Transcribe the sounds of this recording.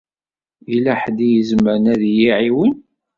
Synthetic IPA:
ilæħd̪ijəzməɾənæðjiʕiwən

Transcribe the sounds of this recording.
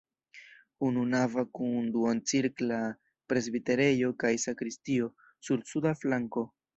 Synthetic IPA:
ununavakunduant͡siɾkla | pɾe̞zbite̞ɾe̞jo̞kajsakɾistio̞ | suɾsudaflaŋko̞

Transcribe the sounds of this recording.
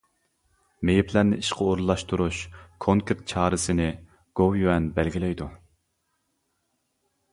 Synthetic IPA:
mejipʰlæɾnɪiʃqʰɑoɾlˠːɑʃt̪uɾuʃkʰoŋkʰeɾt̪̚t͡ʃʰɑːɾɨsɪnɪ | ɡ̥owjyɛnbælɡʲilɛjd̪u

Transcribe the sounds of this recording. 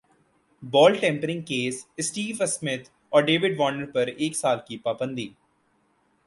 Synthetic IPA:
bɔːlʈẽːmpəɾɪ̃ŋɡ̚keːsɪsʈiːʋəsmɪt̪ʰ | ɔːɾɖeːʋɪɖʋɔːnəɾpɐɾeːksaːlkipaːbə̃nd̪iː

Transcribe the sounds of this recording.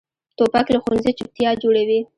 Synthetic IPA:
t̪opaklaxunzet͡ʃɪp̚t̪jɑd͡ʒoɽawi

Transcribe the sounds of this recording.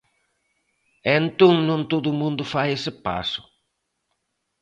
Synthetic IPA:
ẽnt̪õŋnõnt̪oðʊːmũnd̪ʊfajesɪpa̰sʊ̥

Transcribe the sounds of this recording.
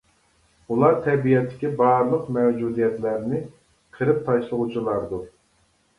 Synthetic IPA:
ulˠɑɾt̪ʰɛbijɛt̪ʰːɪ̥kʲibɑɾlˠəqmɛwd͡ʒud̪ijɛt̪læɾnɪ | qʰəɾɨp̚t̪ʰɑʃlˠʊʁut͡ʃʰilˠɑɾd̪u

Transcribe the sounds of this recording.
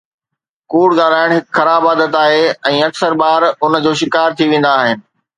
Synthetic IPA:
kuːɽɠaːl̤aːɪɽ̃ɦɪkxɐɾaːbaːd̪ət̪aːɦeɛ̃ːɐksəɾbaːɾʊn̆d͡ʑoːʃɪkaːɾt̪ʰiʋẽːn̆d̪aːɦɪnɪ̆

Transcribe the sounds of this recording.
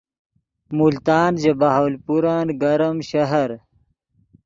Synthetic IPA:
mult̪aːnd͡ʑebaɦaːlpuɾaːnɡɐɾmɕɐɦɐɾ

